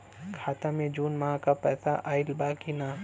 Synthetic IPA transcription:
kʰaːt̪ãmẽd͡ʒuːnmaːkapɛt̪aʔaːɪlbaːkinaː

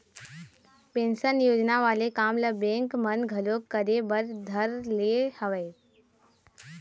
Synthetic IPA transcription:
pẽːnʃənjoːd͡ʒnaʋaːlekaːmləbẽːŋkmənɡʱəloəɾebəɾd̪ʱəɾlehəʋeː

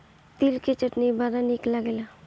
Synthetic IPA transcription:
t̪ilket͡ʃəʈnibaːɾanɪklaɡela

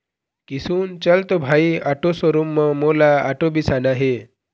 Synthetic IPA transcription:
kisuːnt͡ɕəlt̪obʱaiaʈosəɾumːəmolaaʈobisanaɦe

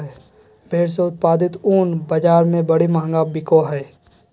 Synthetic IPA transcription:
ɛː | bʱeːɽs̬eʊt̪̚paːd̪ɪt̪uːnbəd͡ʒaːɾmẽbɐɽimãːŋɡabɪkoɦɛː

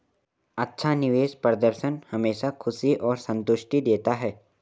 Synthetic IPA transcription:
ɐtːʃʰanɪʋeːʃpəɾəd̪əɾʃənhɐmeːʃakʰʊsiʔɔːɾsə̃nt̪ʊʃʈid̪eːt̪aɦɛː

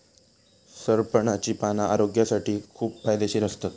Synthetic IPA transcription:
səɾpəɳat͡ɕiːpanaʔaɾoɡjasaʈiːkʰuːp̚fajd̪eɕiːɾəst̪ə

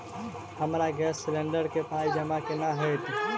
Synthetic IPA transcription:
həmɾaɡɛsːlẽɳɖəɾkepaid͡ʒəmakenaɦət̪

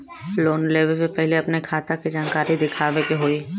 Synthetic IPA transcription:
loːnleːbəlpepɛɦleɐpnekʰaːt̪akid͡ʒaːnkaːɾid̪ɪkʰaːʋekeɦoːiː

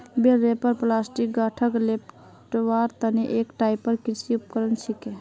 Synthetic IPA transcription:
beɾepəɾplasʈik̚ɡəʈʰəklep̚ʰ | ʈwaɾt̪əneʔekʈaipːəɾkiɾt͡ʃʰiup̚kəɾənt͡ʃʰike

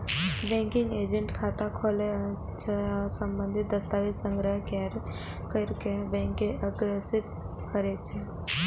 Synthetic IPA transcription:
bɛ̃ŋkɪ̃ŋɡeːd͡ʒə̃ɳʈkʰat̪akʰole | t͡ʃʰesəmbə̃nd̪ʱit̪̚d̪əst̪aʋit̪sə̃ŋɡɾəɦkeɾ | kəɾkebɛ̃ŋkeʔəɡɾesɪt̪ | kəɾet͡ʃʰe

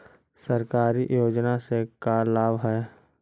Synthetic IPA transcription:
səɾkaːɾiʔjoːd͡ʒnasekaːlaːbɦɛː

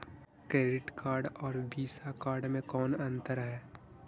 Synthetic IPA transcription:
kɾeːɖɪʈkaːɾɖɔːɾbiːsakaːɾɖmẽkɔːnɐ̃nt̪əɾɦɛː

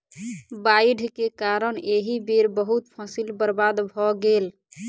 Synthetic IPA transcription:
baiɖʱkekaɾəneɦibeɾbəɦut̪pʰəsilbəɾbad̪bʱɔɡel

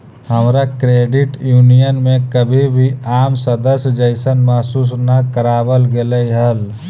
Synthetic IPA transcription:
həmɾakɾeːɖɪʈjuːnijənmẽkəbʱibʱiaːmsəd̪əsd͡ʒəɪsənmaɦsuːs̬nakəɾaːwəlɡeləiɦəl

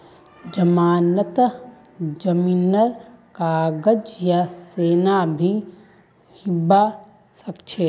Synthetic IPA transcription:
d͡ʒɐmaːnət̪ | d͡ʒəmiːnəɾkaːɡəd͡ʒjaseːnabʱi | hɪbːa | sɐkt͡ʃʰe

